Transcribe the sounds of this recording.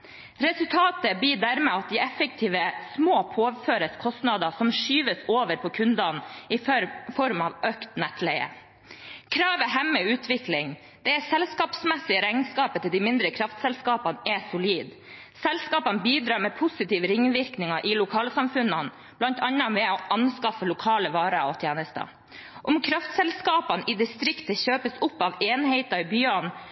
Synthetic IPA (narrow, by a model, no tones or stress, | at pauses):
ɾɛsʉlt̪ʰɑːt̪əbiːd̪æɾmɛɑt̪̚d̪ɪɛfək̚t̪ʰiːʋəsmoːpʰoːføːɾəskʰɔst̪nɑd̪ɑsɔmʂyːʋəsoːʋəɾpʰɔkʰʉnd̪ɑnɪfɔɾmɑʋøkt̪nɛt̪læɪə̰ | kʰɾɑːʋəɦɛmːəʉːt̪ʰʋɪklɪŋ | d̪̥ɛæsɛlskɑːpsmɛsɪəɾæɪnskɑːpət̪ʰɪld̪ɪmɪnd̪ɾəkʰɾɑft̪sɛlskɑːpɑnɛsʊliːd̪ | sɛlskɑːpɑnbiːd̪ɾɑːɾmɛpʰʊsɪt̪iːʋəɾɪŋːʋɪɾknɪŋɑʔɪlʊkʰɑːləsɑmfʉnːɑn | b̥lɑnt̪ʰɑnːɑmɛoʔɑnskɑfːəlʊkʰɑːləʋɑːɾəɔt̪ʰjeːnəst̪ə̰ | ʔɔmkʰɾɑft̪sɛlskɑːpɑnʔɪd̪ɪst̪ɾɪkt̪əçøːpəsʊpːɑʋeːnheɪt̪ɑɾbyːɑn